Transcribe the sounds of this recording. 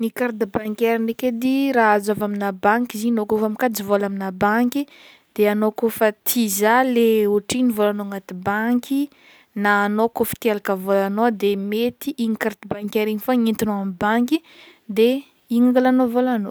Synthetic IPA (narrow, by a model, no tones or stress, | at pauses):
nikaɾd̪ibaŋkʲeɾineked̪iɾaazavaminabaŋkʲiziɲnokofamikad͡zivolaminabaŋkʲi | d̪̥eanokofət̪ʰizaleuʈ͡ʂinivolanoŋat̪ibaŋkʲi | naːnokofə̥t̪ielakəvolanod̪emet̪iʔiŋikaɾd̪ibaŋkʲeɾiɲifaɲint̪inoamibaŋki | d̪e | iŋaŋɡalanovolano